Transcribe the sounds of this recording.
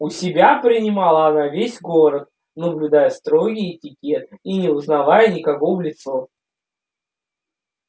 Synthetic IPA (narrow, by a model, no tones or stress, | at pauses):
ʊsʲɪbʲapɾʲɪnʲɪmalˠəɐnavʲesʲɡoɾət̪̚ | nəblʲʊd̪ajəst̪ɾo̞ɡʲijɪtʲɪkʲet̪̚inʲɪʊznɐvajənʲɪkɐvovlʲɪt̪so